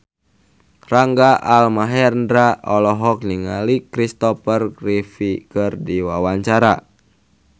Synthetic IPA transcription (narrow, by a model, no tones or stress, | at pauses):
raŋɡaʔalmaɦɛrndɾaɔlɔɦɔk̚niŋalikɾist̪ɔpərɡrifikɨrdiwawaɲt͡ʃaɾa